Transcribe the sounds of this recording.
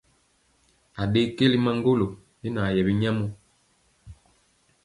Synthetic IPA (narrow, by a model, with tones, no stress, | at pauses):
a˨ɗe˦ke˦li˦ma˦ŋ˦ɡo˦lo˨ | e˦na˨jɛ˨βi˦ɲa˦mo˦